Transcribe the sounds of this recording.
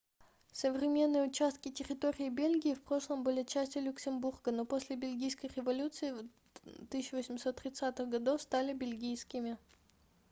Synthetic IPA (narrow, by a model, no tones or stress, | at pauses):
səvɾʲɪmʲe̞nːɨjəʊt͡ɕast̪̚kʲɪtʲɪɾʲɪt̪oɾʲɪːbʲelʲɡʲɪːfpɾo̞ʂlˠəmbɨlʲɪt͡ɕːæsʲtʲɪjʊlʲʊksʲɪmburɡəno̞posʲlʲɪbʲɪlʲɡʲijskəjrʲɪvɐlʲut̪sɨɪ | t̪ɨsɪɕːʊvəsʲɪmʲso̞t̪ːɾʲɪt̪sat̪ɨxɡɐd̪o̞fst̪alʲɪbʲɪlʲɡʲijskʲɪmʲɪ